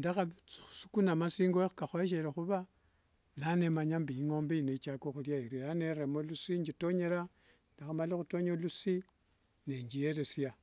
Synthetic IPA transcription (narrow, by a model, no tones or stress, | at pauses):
ndaxasukunamasiːŋɡoxu̥kaxoeʃ̬eɾexuβa | lane̞maɲambiːŋo̞ːmbeineit͡ʃakoxuljaiɾilaneɾemolusiɲd͡ʒitoɲe̞ɾa | ndaxamalixuto̞ɲolusi | neɲd͡ʒijeɾesja